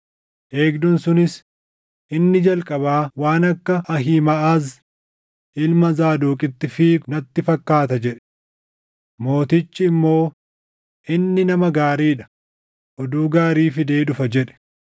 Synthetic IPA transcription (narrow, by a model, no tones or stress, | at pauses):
ʔeːɡd̪ʊnsʊnɪs | ʔɪnːɪd͡ʒɐlkʼɐbaːwaːnɐkːɐʔɐɦiːmɐʔaːz | ʔɪlmɐzaːd̪uːkʼɪt̪ːɪfiːnɐt̪ːɪfɐkːaːt̪ɐd͡ʒɛᶑɛ̥ | mo̞ːt̪ɪt͡ʃːɪːmːo̞ː | ʔɪnːɪnɐmɐɡaːɾiːᶑɐ̥ | ʔɔd̪uːɡaːɾiːfɪd̪e̞ːᶑʊfɐd͡ʒɛᶑɛ̥